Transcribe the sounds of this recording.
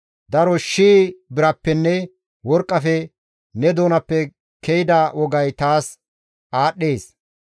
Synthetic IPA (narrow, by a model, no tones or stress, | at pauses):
d̪ɐɾɔʃiːbɪɾɐpːɛnːɛ | wɔɾkʼːɐfɛ | nɛd̪oːnɐpːɛ | kʰɛjɪd̪aːwɔɡɐjt̪aːs | ʔaːɗːeːs